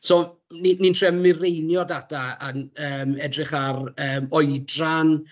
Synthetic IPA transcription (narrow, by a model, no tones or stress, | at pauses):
soː | ninintʰrɛmɪrejnjɔdadaaəːmɛdrɪχarəːmɔjdran